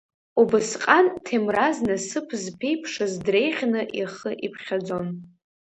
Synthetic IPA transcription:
ubɨsqʼantʰemraznɨsɨpʰzpʰe̞jpʰʂazdre̞jχʲnɨʔiχəʔipʰχʲad͡zo̞n

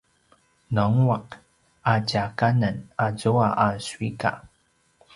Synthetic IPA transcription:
nɔŋwak | acakanənazuaʔaswika̰

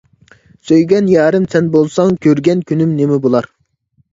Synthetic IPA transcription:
søjɡʲɛnjɑːɾɪmsɛnbolˠsɑŋkʲʰøɾɡʲɛnkʲʰynɪmnemɪbolˠɑɾ

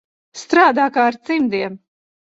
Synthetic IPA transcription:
st̪ɾaːd̪aːkaːaɾt̪simd̪iɛm

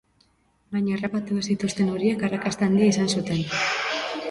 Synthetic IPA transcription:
bajɲaerapat̪uesit̪ust̪e̞nuɾiekarakast̪eand̪iaisansut̪e̞n

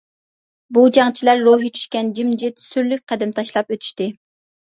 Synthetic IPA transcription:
bud͡ʒɑŋt͡ʃʰilæɾːoɦit͡ʃʰy̥ʃkʲɛnd͡ʒimd͡ʒɪt̪syɾlyk̚ʲqʰæd̪ɪmt̪ʰɑʃlˠɑpøt̪ʰy̥ʃt̪ɪ

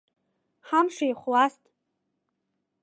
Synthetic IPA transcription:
ħamʂajχʷwastʼ

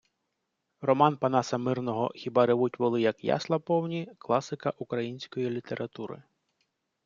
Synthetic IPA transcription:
rɔmɑnpɐnɑsɐmɪrnɔɦɔ̰xʲibɑɾɪʋutʲʋɔlˠɪjɐkjɑ̰slˠɐpɔwnʲiklˠɑsɪkɐʔukɾɐjinʲsʲkɔjilʲit̪eɾʔɐt̪uɾɪ̰

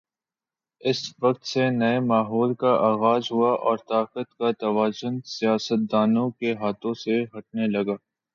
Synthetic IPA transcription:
ɪsʋɐq̚t̪senɐemaːɦɔːlkaʔaːɣaːzɦʊaʔɔːɾt̪aːqət̪kat̪ɐʋaːzʊnsijaːsət̪̚d̪aːnõkeɦaːt̪õseɦɐʈ̚nelɐɡaː

